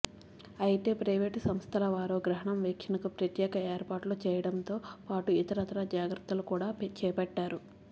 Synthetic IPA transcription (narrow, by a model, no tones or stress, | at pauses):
ɐjit̪e̞ːpɾɐjʋeːʈsɐmst̪ʰɐlɐʋaːɾoːɡɾɐɦɐɳɐmʋekʰjɐnɐkupɾɐt̪jɛːkɐeːɾpaːɾʈloːt͡ʃɛːjɐɽɐnt̪o̞ːpaːʈuit̪ɐɾɐt̪ɐɾɐd͡ʒaːɡɾɐt̪ːɐlukuːɽaːpt͡ʃɛːpɐʈːaːɾu